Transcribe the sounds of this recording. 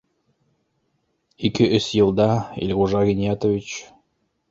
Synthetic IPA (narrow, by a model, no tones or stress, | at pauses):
ikɘʔɵsjɤ̆lˠd̪ɑḭlʲʁuʒɑɣʲinʲijɑt̪ovʲit͡ɕ